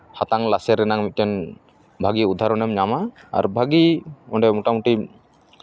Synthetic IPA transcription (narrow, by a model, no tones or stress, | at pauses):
hat̪aŋlasɛɾɛnaŋmit̪̚ˀtɛn | bʱaɡiud̪ʱaɾɔnɛmɲamaa̰ɾbʱaɡiɔɳɖɛmuʈamuʈi